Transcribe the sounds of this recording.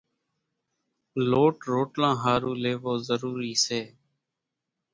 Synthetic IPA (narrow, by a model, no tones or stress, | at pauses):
loːʈɾoːʈlãːɦaːɾũːleːʋoːzəɾuːɾiːseː